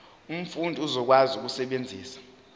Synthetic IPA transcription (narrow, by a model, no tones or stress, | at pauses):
um̩fundʱiuzɔk̬wazuk̬usɛɓend͡zʱiːsḁ